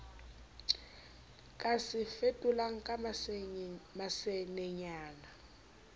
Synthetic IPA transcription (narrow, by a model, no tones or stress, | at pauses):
kʼasifetʼulaŋ̩kʼa | masɛnɛɲaːna